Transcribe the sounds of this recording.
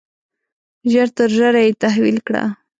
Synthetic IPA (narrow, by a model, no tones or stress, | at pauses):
ʒəɾt̪əɾʒəɾajet̪aɦwilkɽa̰